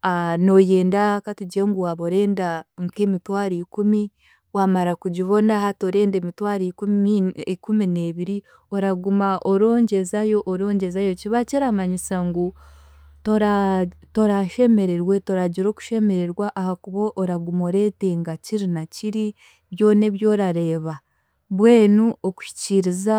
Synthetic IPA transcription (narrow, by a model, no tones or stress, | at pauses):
ano̞je̞ːndakatuɟeŋɡuwaβoɾe̞ːndaŋke̞mitwaːɾikumi | wamaɾakuɟiβo̞nahatoɾe̞ːnde̞ːmitwaːɾikuikumineːβiɾi | oɾaɡumaʔoɾo̞ːɲɟe̞zajo̞ʔːɾo̞ːɲɟe̞zajo̞ciβaceɾamaɲisaŋɡu | toɾato̞ɾaʃe̞me̞ɾeɾwe̞to̞ɾaɟiɾo̞ːku̥ʃe̞me̞ɾe̞ɾwaʔahakuβoʔːɾaɡumo̞ɾe̞ːte̞ŋɡaciɾinaciɾi | βjo̞ːne̞βjo̞ːɾaɾe̞ːβa | βwe̞ːnuoku̥ʃi̥ciɾiza